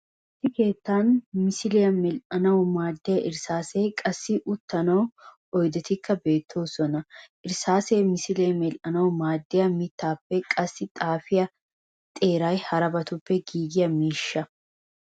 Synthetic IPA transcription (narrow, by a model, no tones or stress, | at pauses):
ɪsːɪke̞ːt̪ːaːnmɪsɪlɪjɐmɛlʔɐnɐwʊmaːd̪ːɛjɐʔɪɾsaːseːkʼɐsːɪʔʊt̪ːɐnɐw | ɔjd̪ɛt̪ɪkʰːɐbe̞ːt̪ʰːo̞ːsɔnɐʔɪɾsaːseːmɪsɪlejmɛlʔɐnɐwmaːd̪ːɪjɐmɪt̪ːaːpːɛkʼɐsːɪt̪ʼaːfɪjɐ | t̪ʼe̞ːɾɐjhɐɾɐbɐt̪ʊpːɛɡiːɡɪjɐmiːʃːɐ